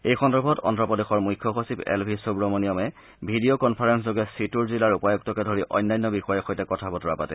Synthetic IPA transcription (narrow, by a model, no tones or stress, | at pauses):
ejxɔndɔɹbʱɔtɔ̰ntɹɔpɔdexɔɹmujkʰːɔxosibɛ̰lbʱisobɹɔmonijɔmɛ | bʱidiokɔnpʰaɹenszoɡɛsituɹzilaɹupajɔk̚tɔkɛdʱoɹiʔɔ̰jnːajnːɔbixɔjɔxojtɛkɔtʰabɔtɔɹapatɛ